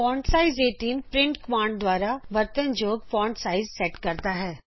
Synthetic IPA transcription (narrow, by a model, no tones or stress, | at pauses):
pɔ̃ːɳɖsaːɪzeːʈiːnpɾɪ̃ɳʈkmãːɳɖd̪waːɾaʋɐɾt̪ənd͡ʒoːɡfɔ̃ːɳɖʈsaːɪzsɛːʈkɐɾt̪aɦɛː